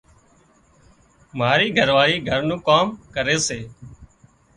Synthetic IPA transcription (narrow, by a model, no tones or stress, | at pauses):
maːɾiːɡʱəɾʋaːɾiːɡʱəɾnũːkaːmkəɾeːseː